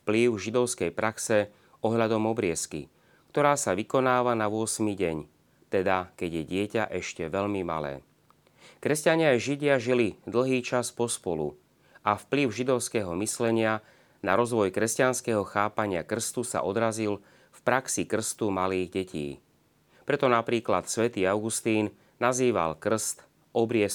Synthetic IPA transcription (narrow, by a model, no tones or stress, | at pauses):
fpliʊʒid̪ɔʊskɛjpɾʔaksɛ | ɔɦʎad̪ɔmɔbɾɪɛskḭ | kt̪ɔɾaːsaʋikɔnaːʋanaʋʊɔsmiɟɛɲ | t̪ɛd̪akɛɟjɛɟɪɛca̰ʔɛʃcɛʋɛʎmima̰lɛ̰ː | kɾɛscaɲɪajʒiɟɪaʒilid̪l̩ɦiːt͡ʃaspɔspɔlṵ | afpliʊʒid̪ɔʊskɛɦɔmislɛɲɪa | naɾɔzʋɔjkɾɛscanskɛɦɔxaːpaɲɪakr̩st̪usa̰ʔɔd̪ɾazil | fpɾaksikr̩st̪umaliːɣɟɛcʰḭː | pɾɛt̪ɔnapɾiːklat̪sʋɛt̪iːaʊɡust̪iːn | naziːʋa̰lkr̩st̪ | ɔbɾɪɛs